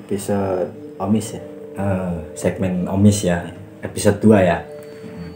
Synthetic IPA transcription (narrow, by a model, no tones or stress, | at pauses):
episod̪̚ | omisja | əsɛk̚mɛno̰misja | episod̪̚d̪uaja | ʔ̩